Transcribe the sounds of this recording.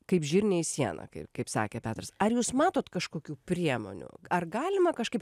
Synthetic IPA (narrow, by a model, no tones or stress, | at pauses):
kɐɪpʒʲiːɾʲnʲeɪsʲiɛnɐ̰kɐɪpkɐɪpsɑ̰ːkʲeːpʲæːt̪ɾɐsɐɾjuːsmɑːt̪oːt̪kɐʃkoːkʲuːpʲɾʲiɛmo̰ːnʲṵɐrɡɑːlʲɪmɐkɐʃkɐɪp̚